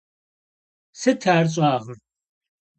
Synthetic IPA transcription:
sɐtʰaːɾt͡sʼaːʁər

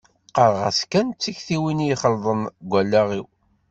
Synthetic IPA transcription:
qɑɾˤʁæ̰skænt͡sːiçθiwinijχəlðˤənɡʷælːæʁiw

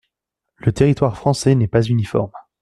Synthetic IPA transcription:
lət̪eʁit̪waʁfχɑ̃sɛnɛpazynifɔ̰ʁm

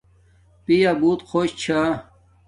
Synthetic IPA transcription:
pijabuːt̪kʰoɕt͡ɕʰa

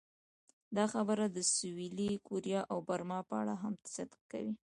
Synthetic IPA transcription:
d̪ɑxabəɾad̪əsʊwilikoɾijɑʔawbaɾmɑpəa̰ɽaɦamt̪sat̪ka̰wi

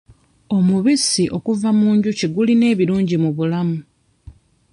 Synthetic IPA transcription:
o̞muβisiʔo̞kuvamuːɲɟuceɡuline̞ːβiɾuːɲɟimuβulamu

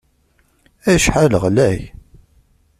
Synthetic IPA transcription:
æʃħaləʁlæj

